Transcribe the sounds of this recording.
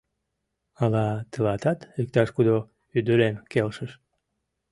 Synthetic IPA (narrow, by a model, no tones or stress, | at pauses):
ɑlɑt̪əlɑt̪ɑt̪yk̚t̪ɑʃkud̪o | yd̪əɾemkelʃəʃ